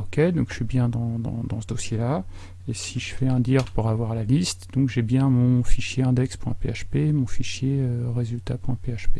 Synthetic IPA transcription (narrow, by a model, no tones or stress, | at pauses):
ɔkʲed̪ɔ̃kʃɥibjɛ̃d̪ɑ̃d̪ɑ̰̃d̪ɑ̃səd̪osjela | esiʒəfɛɛ̃d̪iʁpuʁavwaʁlalist̪d̪̥ɔ̃kʒɛbjɛ̃mɔ̃fiʃjeɛ̃d̪ɛkspwɛ̃peaʃpemɔ̃fiʃjeøʁezylt̪apwɛ̃peaʃpe